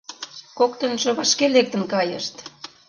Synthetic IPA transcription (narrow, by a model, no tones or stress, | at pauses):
kokt̪ə̆nʒŏβɑʃkelek̚t̪ə̆nkɑjə̰ʃt̪